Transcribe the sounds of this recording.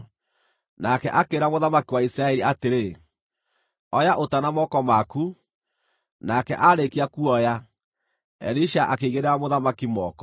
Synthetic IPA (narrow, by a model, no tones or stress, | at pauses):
nakɛ̰ʔakeːɾamoðamakiwaisɾaɛɾiateɾe | ɔjaʔotanamɔkɔmaku | nakɛʔaɾekiakuɔja | ɛ̰ɾiʃaʔakeiɣeɾeamoðamakimɔkɔ